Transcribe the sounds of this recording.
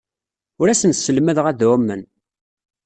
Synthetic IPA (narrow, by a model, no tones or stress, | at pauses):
ʊɾæsənsəlməðʁæðwæmːən